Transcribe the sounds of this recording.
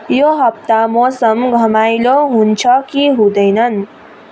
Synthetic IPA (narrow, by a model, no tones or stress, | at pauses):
joɦʌp̚t̪amosʌmɡʱʌmajloɦunt͡sʰʌkiɦũd̪ʌjnʌn